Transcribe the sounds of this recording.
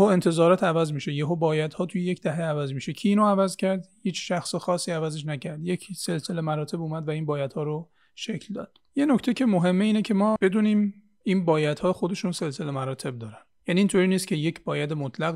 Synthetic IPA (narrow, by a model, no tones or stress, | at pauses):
hoe̞nt̪ʰe̞zɒːɾɒːt̪ʰævæzmiːʃejeɦobɒːjæd̪̥hɒːt̪ʰujeje̞cʰd̪æɦeævæzmiːʃecʰiːnoævæzcʰæɾd̪hiːt͡ʃʰʃæxsexɒːsːiːævæze̞ʃ̬næcʰæɾd̪je̞cʰse̞lse̞le̞mæɾɒːt̪ʰe̞buːmæd̪væiːnbɒːjæd̪hɒːɾo | ʃecʰld̪ɒ̰ːd̪̥je̞nocʰt̪ʰecʰe̞moɦe̞mːeiːnecʰe̞mɒːb̥e̞d̪uːniːm | iːnbɒːjæd̪hɒːxod̪e̞ʃuːnse̞lse̞le̞mæɾɒːt̪ʰe̞b̚d̪ɒːɾænjæniːnt̪ʰoɾiːnist̪cʰe̞jecʰbɒːjæd̪emot̪ʰlæɣ